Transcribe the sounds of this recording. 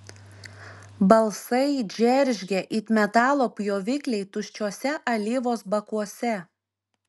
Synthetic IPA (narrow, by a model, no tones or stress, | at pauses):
bɐlˠsɐɪd͡ʒʲɛɾʲʒʲɡʲɛʔit̪ʲmʲɛt̪ɑːlˠoːpʲjoːʋʲɪkʲlʲɛɪt̪ʊʃʲt͡ʃʲoːsʲɛʔɐlʲɪʋoːsbɐkuɔsʲɛ